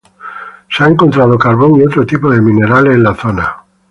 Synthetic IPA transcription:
seaeŋkont̪ɾað̞okaɾβo̞ŋiot̪ɾot̪ipoðemĩneɾalːnlaθona

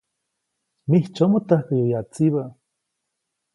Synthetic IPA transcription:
miht͡ʃomot̪ahkijojat͡siβa

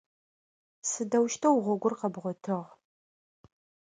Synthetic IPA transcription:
sɨdɐwʃtʰɐwʁʷɔɡʷʊrqɐbʁʷɔtʰɨʁ

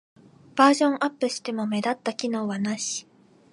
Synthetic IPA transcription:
b̥aːʑõ̞ŋʔapːɯ̟ɕi̥t̪e̞mo̞me̞d̪at̪ːakʲino̞ːβanaɕi̥

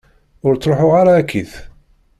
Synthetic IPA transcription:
ʊɾt͡sːɾˤoħʊʁaɾaːkʰːiθ

